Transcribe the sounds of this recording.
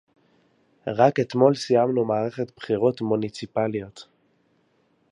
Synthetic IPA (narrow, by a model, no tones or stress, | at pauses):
ʁake̞t̪mo̞lsijamnumaːʁe̞χe̞tpχiʁo̞tmunit͡sipalijo̞t